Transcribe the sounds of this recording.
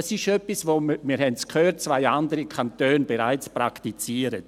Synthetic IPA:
sɪʃœpisvoːmmiːɾhɛntskʰhøːt̚t͡svaɪandəɾəkʰantøːnbeɾa̰ɪt͡spra̰ktit͡siːəɾə

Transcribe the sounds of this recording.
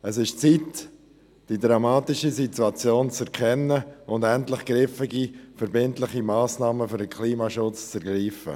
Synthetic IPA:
əsɪʃt͡sit | d̥idɾamaːtɪʃisituat͡sjoːnt͡sɛɾkʰɛnːəʊndɛntlɪχɡ̥ɾɪfɪɡifɛɾbɪntlɪχimaːsnaːməfʏɾdəkʰliːmaʃʊt͡st͡sɛɾɡriːfə̰

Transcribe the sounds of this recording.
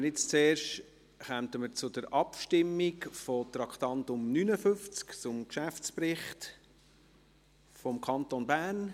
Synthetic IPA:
ɪt͡st͡seːrʃt | χɛmt̪əməɾt͡sʊd̥əɾɑpʃtɪmːikfɔt̪ɾɑkχtɑntʊmnynəfʏft͡skt͡sʊmkʃæft͡spɾɪχt | fɔmkʰɑnt̪onbæːn

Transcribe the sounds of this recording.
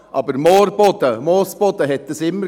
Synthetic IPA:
ʔɑbəɾmoːɾbɔd̪əmoːsb̥ɔd̪əɦɛt̪ːəsɪmːə

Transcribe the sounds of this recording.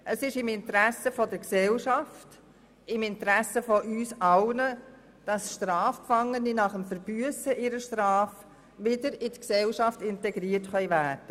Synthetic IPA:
ʔəsɪʃɪmɪntəɾæsəfɔdəɾksɛlʃɑft | ɪmɪntɾæsəfɔʔyːsɑlnə | d̥ɑsʃtɾɑːfpfɑŋːəninɑχəmfəɾb̥yəsəʔɪɾəʃtɾɑːf | ʋɪdəɾɪtksɛlʃɑftɪntɛɡɾiːətχœʏvæːd̥ə

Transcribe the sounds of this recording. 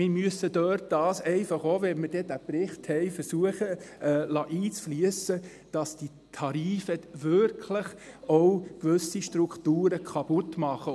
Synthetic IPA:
mɪɾmyəsːədøːt̚d̥ɑːsɛɪfɑχoːʋɛnmɪɾd̥ɛdæpɾɪχthɛɪfəɾsuəχəɛlɑʔiːt͡sfliəsə | d̥ɑsd̥i | t̪ʰɑɾiːfəʋʏɾkʰləχ | ɔwkʋɵsiʃtɾukχtuːɾəkʰɑpʊt̪mɑχə

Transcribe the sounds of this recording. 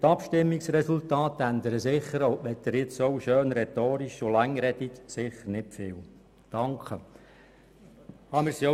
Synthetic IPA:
t̪ɑpʃtɪmːiksrɛsultɑːtænd̪əɾəsɪχəɾoʊʋɛt̪ːəɾɪt͡sowʃøːnɾɛt̪oːɾiʃolæŋːɾɛdiksɪχəɾnɪpfɪːl | d̥ɑŋkχə | hɑmɪɾsio

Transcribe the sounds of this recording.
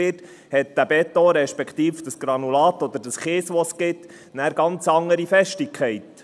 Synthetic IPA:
ɪːt | hɛt̪̚d̥æbɛt̪ːoɾɛʃpɛkt̪iːfd̥əsɡ̥ɾɑnulɑːt̪ɔd̪əɾdəsχɪːsʋɔsɡ̥ɪt̪ | næːɾɡɑnt͡sɑŋːəɾifɛʃtɪkχɛɪt̪

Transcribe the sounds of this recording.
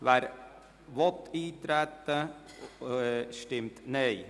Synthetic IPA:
ʋæɾ | ʋɔt̪iːt̪ɾɛt̪ːə | ʃtɪmt̪neɪ

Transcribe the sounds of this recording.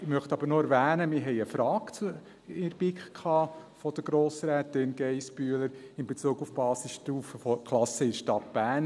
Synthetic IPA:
ɪmœχt̪ɑb̥əɾnoæɾvæːnəmɪɾɦɛɪəfɾɑːkt͡s | ɪɾb̥ɪkχkʰɑːfɔd̥̪əɡ̥ɾoːsɾɛːt̪ɪnɡ̥ɛɪsbyːləɾɪmbet͡suːɡufb̥ɑːsisʃtuːfəfɔkʰlɑsəɪdʃtɑt̚b̥æːn

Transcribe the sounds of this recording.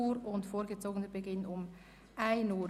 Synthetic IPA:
uːɾʊntfoːɾɡət͡soːɡənəbəɡɪnʊm | ʔaɪnuː

